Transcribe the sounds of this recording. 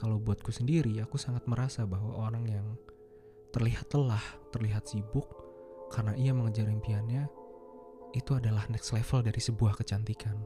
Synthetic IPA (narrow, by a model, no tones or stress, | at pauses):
kalawbuat̪̚kusəndiɾiakusaŋat̪̚məɾasabaɦwa̰ʔoɾaŋjaŋ | t̪ərliɦat̪ːəlaht̪ərliɦat̪sibʊkː | arənaʔiaməŋəd͡ʒaɾɪnpianɲa | it̪uadalahnɛkslefəldaɾisəbuahkət͡ʃant̪ikʰan